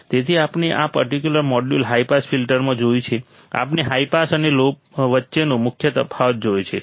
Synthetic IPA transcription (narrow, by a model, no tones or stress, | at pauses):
t̪et̪ʰiapneʔapəɾʈikjuləɾmɔɖjulɦaipasfilʈəɾmãd͡ʒojt͡ʃʰe | a̰pneɦaipasənelo | ʋətːʃenũmʊkʰjət̪əpʰaʋət̪̚d͡ʒojt͡ʃʰe